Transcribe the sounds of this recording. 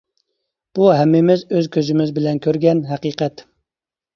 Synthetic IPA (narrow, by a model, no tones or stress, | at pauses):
b̥uɦɛmːɪmɪzøzkʲʰøzymɪzbɪlɛnkʲʰøɾɡʲɛnɦæqiːqʰɛt̪